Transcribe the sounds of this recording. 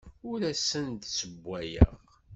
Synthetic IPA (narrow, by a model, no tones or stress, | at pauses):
ʊɾæsənd̪səbʷːæjə̰ʁ